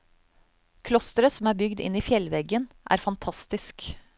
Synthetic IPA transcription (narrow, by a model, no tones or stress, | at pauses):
kʰlɔst̪ɾəsɔm̩æːɾbʏɡd̪ɪ̰niːfjɛlʋɛɡənʔæ̰ːɾfɑnt̪ʰɑst̪ɪsk